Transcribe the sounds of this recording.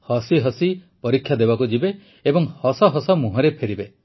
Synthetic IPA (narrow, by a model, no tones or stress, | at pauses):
hɔsiɦɔsipɔɾikʰːjad̪ebakud͡ʒibeː | bɔŋhɔsɔɦɔsɔmuɦɔɾepʰeɾibe